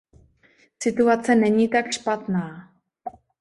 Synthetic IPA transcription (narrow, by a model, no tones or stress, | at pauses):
sɪt̪uat͡sɛnɛɲiːt̪akʃpat̪naː